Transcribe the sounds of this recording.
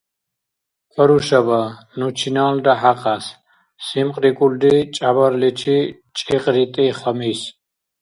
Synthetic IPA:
qʰʼəɾuʃaba | nut͡ʃʰinaːld̪aħaqʼas | simqʼɾikʼuld̪it͡ʃʼabaɾlit͡ʃʰi | t͡ʃʼiqʼɾit̪ʼiχamis

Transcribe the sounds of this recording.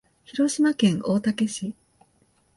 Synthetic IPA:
çiɾo̞ɕimakẽ̞ŋʔoːt̪ake̞ɕi

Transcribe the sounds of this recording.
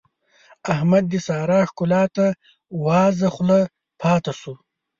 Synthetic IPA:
ahmad̪̚ːisɑːɾɑːʂkʊlɑːt̪a | wɑːzɐχla | pʰɑːt̪asu

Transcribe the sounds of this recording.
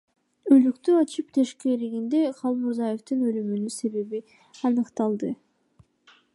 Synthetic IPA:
ø̞lykt̪yɑt͡ʃɯpt̪ʰeʃkeɾiɡind̪eqʰɑlˠmuɾzɑjeft̪ɯnø̞lymynyse̞βe̞βi | ɑnɯqt̪ɑlˠd̪ɯ

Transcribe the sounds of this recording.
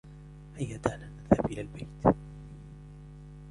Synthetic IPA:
hajːad̪ananaðhabʔɪlaːlbajt̪

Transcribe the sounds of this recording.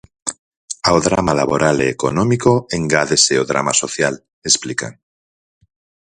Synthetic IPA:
aoðɾamalaβo̞ɾʔaleːko̰nõmikoeŋɡaðeseoðɾa̰masoθjal | esplika̰n

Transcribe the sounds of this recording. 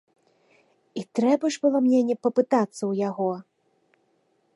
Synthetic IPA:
it̪ɾɛbɐʐbɨlˠɔmnʲɛnʲɛpɐpɨt̪at̪sːɐwjaɣɔ

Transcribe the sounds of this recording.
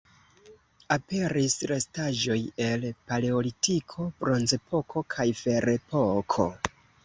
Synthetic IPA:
ape̞ɾisɾe̞staʒo̞je̞lpale̞olitikʰo̞bɾo̞nze̞pʰo̞kʰo̞kʰajfe̞ɾe̞pokʰo̞̰

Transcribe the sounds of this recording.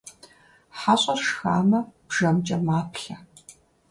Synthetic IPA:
ħaːɕʼɐrʂxaːmɐb̥ʒɐmt͡ʃʼɐmaːpʰɬɐ

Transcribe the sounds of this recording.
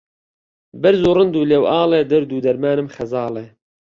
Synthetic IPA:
bɨɾzuːrɨnd̪uːlewʔɑːlˠeːd̪ɐɾd̪uːd̪ɐɾmaːnɨmxɐzɑːlˠeː

